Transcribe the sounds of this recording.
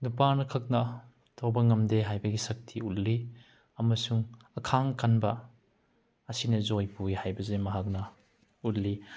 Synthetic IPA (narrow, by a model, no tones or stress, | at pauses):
nupanɐkʰɐk̚nɐ | tʰowbɐŋɐmdeɦajbɐɡisɐk̚tʰiutli | ɐmɐsuŋ | ɐkʰaŋkɐnbɐ | ɐsinɐzojpujhajbɐzemɐɦak̚nɐ | ut̚li